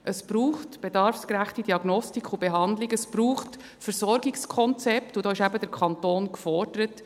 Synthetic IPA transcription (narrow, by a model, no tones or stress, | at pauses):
ʔəsb̥ɾuːχtb̥edɑɾfskɾæχtidiɑɡnɔstikʰubeɦɑnd̪lɪɡəsb̥ɾuːχt | fəɾsɔɾɡɪkskʰɔnt͡sɛptud̥ɔːɪʃæbədəɾkʰɑntoːnkfɔrd̥əɾət